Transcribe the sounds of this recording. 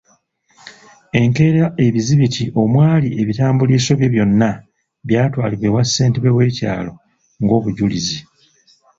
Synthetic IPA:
e̞ŋke̞ːɾaʔe̞βiziβitʰiʔo̞mwaːlie̞βitaːmbuliːso̞βjeβjo̞nːa | βjaːtwaːliβwe̞wasːe̞ːnteβeβwe̞ːca̰ːlo̞ | ŋɡo̞ːβuɟulizi

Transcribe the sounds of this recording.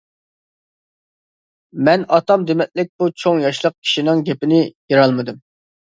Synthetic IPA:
mɛnɑt̪ɑmd̪emɛt̪̚lɪk̚ʲb̥ut͡ʃʰoŋjɑʃlˠəq̚kʲʰi̥ʃinɪŋɡʲɛpɪnɪjeɾɑlˠmɨd̪ɨm

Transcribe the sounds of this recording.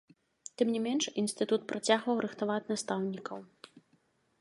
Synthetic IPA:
t̪ɨmnʲimʲɛnʂinsʲt̪ɨt̪ut̪̚pɾʔat͡sʲaɣvɐwɾʔɨxt̪avat͡sʲnast̪awnʲikɐw

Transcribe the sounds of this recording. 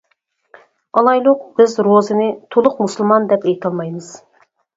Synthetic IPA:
ɑlˠɑjlˠʊq̚b̥ɪzɾozɨnɪt̪ʰolˠʊqmusɨlˠmɑnd̪ɛpejt̪ʰɑlˠmɑjmɨz̥

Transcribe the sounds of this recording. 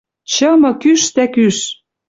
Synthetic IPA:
t͡ɕɤ̆mɤ̆kyʃt̪ækyʃ

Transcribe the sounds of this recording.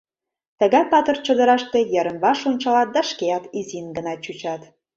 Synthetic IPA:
t̪əɣɑpɑt̪ərt͡ɕəd̪əɾɑʃt̪ejəɾənβɑʃonʲt͡ɕɑlɑt̪̚d̪ɑʃkeɑt̪izinɡənɑt͡ɕut͡ɕɑt̪

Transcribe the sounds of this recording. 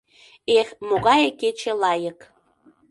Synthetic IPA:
exmoɣɑjeket͡ɕelɑjək

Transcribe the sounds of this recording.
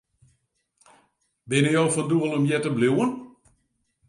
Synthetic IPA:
bɪnəjoːfɔnduəlˠɔmjɛtəbluwən

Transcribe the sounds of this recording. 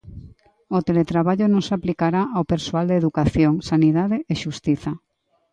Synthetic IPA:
ot̪elet̪ɾaβaʎonõŋsaplikaɾaʔawpeɾsoald̪eðukaθjoŋsaniðaðeeʃust̪iθa

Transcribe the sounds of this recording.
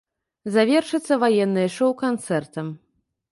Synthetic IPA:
zavʲɛrʂɨt̪sːɐvajɛnːɨjʂɔwkant̪sɛrt̪ɐm

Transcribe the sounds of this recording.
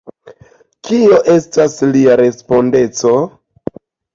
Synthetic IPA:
kʰio̞ʔe̞stasliaɾe̞spo̞nde̞t͡so̞

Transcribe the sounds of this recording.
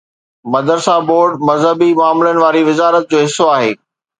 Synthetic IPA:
mɐd̪əɾsaːboːɾɖmɐzɦəbimʊaːmɪlənɪ̆ʋaːɾiʋɪzaːɾət̪̚d͡ʑoːɦɪsoaːɦeː

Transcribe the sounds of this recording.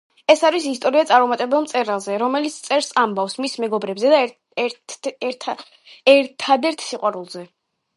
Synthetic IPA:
ɛsaɾisist̪ʼɔɾiat̪sʼaɾmɔmat̪ʼɛbɛlˠmt̪sʼɛɾalˠzɛɾɔmɛlit̪sʰt̪sʼɛɾsambafsmismɛɡɔbɾɛbzɛd̪a | ɛɾt̪ʰad̪ɛɾt̪ʰsiqʼwaɾulˠzɛ

